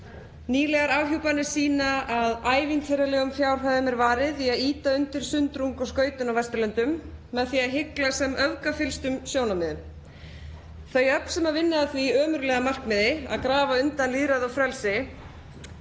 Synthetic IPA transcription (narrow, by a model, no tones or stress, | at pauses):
niːlɛɣaɾaːwçowpanɪ̥siːnaaðaːjvint̪fɛɾalɛːɣʏmfjaːwr̥ɦaðʏmɛɾvaːɾɪðiaðiːt̪aʏnt̪ɪɾ̥sʏnt̪ɾuŋkɔɣskœːɥt̪ʏnawvɛst̪ʏlœnt̪ʏmːɛðθiaɦɪklasɛmœvkafɪlst̪ʏmsjoːwnamɪðʏ | θœɥjœpn̥sɛmaɾvɪnːɪaθviœːmʏɾlɛːɣamar̥kmɪðɪa̰ðkɾaːvaʏnt̪anliðɾaðawfɾɛlsɪ